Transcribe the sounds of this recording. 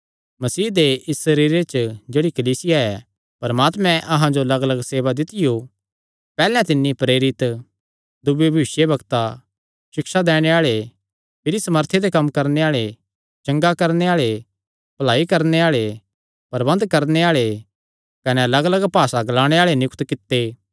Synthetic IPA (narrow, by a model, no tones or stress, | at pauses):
mɐsiːd̪eɪsːɐɾiːɾet͡ʃd͡ʒeːɽikɐliːsɪjaɛ | pɐɾmaːt̪mɛ̃ʔɐɦãd͡ʒoɐlɐɡələɡseːʋad̪ɪt̪ɪjo | pɛːlɛ̃t̪ɪnːipɾeːɾɪt̪ | d̪ʊbjebʱisjebʱɐɡt̪a | ʃɪkʃad̪ɛːɽ̃eaːɭe | pʰɪɾisɐməɾt̪ʰed̪ekɐmkɐɾneaːɭe | t͡ʃɐ̃ŋɡakɐɾneaːɭe | pɐlaːikɐɾneaːɭe | pɐɾbɐ̃nd̪kɐɾneaːɭe | kɐnɛɐlɐɡələɡpaːsaɡɐlaːɽ̃eaːɭenjʊkt̪kɪt̪ːe